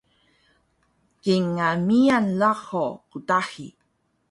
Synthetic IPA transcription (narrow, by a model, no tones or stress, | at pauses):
kiŋamianlaχokutaħi